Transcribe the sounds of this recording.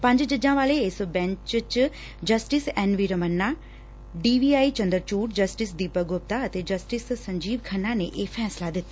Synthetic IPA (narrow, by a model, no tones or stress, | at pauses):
pə̃ɲd͡ʒd͡ʒəd͡ʒãːʋaːleɪsbɛ̃ɲt͡ʃt͡ʃ | d͡ʒəsʈɪsɛːnʋiɾəmənːaː | ɖiːʋiːaːit͡ʃə̃nd̪əɾt͡ʃuːʈd͡ʒəsʈɪsd̪iːpəɡʊp̚t̪aət̪ed͡ʒəsʈɪssəɲd͡ʒiːbkʰənãneʔeːfʰɛːslad̪ɪt̪ːa